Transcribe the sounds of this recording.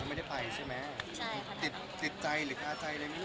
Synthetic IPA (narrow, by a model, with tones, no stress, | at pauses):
nma˥˩jda˥˩jpʰa˨˩jt͡ɕʰa˥˩jmɛ˦˥t̪i˨˩t̪̚t̪i˨˩t̪̚t͡ɕa˧jɾɯː˩˦kʰaː˧t͡ɕa˧jla˧jma˦˥